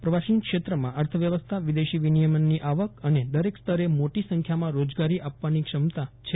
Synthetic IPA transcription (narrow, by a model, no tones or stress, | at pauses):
pɾəʋaʃinkʃet̪ɾəmãʔəɾt̪ʰəʋjəʋəst̪ʰaʋid̪eʃiʋinijəmənːiʔaʋəkəned̪əɾekst̪ʰəɾemoʈisə̃ŋkʰjamãɾod͡ʒɡaɾiʔapʋanikʂəmt̪at͡ʃʰe